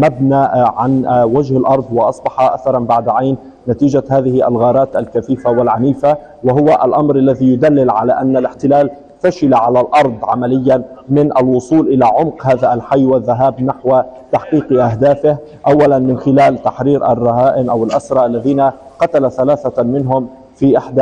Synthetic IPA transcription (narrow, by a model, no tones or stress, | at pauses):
mabnaːʕanwad͡ʒhalʔɑɾˤd̪ˤwɑʔɑsˤbɑħɑʔa̰θɑɾˤɑnbaʕd̪ʕajnː | at̪iːd͡ʒahaːðɪhɪʔa̰lɣɑːɾˤɑːt̪ʔalkaθiːfawalʕaniːfa | waɦʊwaʔa̰lʔɑmɾʔalːaðiːjʊd̪alːɪlʕalaʔanːalɪħt̪ɪlaːl | faʃɪlaʕalalʔɑɾˤd̪ˤʕamalɪjːamɪnʔalwʊsˤuːlʔɪlaʕʊmqhaːðaʔalħajːwaðːaɦaːbnaħwt̪aħqiːqʔaɦd̪aːfɪh | ʔawːalanmɪnxɪlaːlt̪aħɾiːɾʔarˤːɑɦaːʔɪnʔawɪlʔasɾˤɑʔalːaðiːna | qɑt̪alaθalaːθamɪnɦʊm | fiːʔɪħd̪a